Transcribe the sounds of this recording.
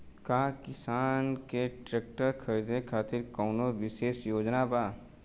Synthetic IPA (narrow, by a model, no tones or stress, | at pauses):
kaːkɪsaːnkeʈɾeːk̚ʈəɾkʰɐɾid̪ekʰaːt̪ɪɾkɔːnoʋɪʃeːsjoːd͡ʒnabaː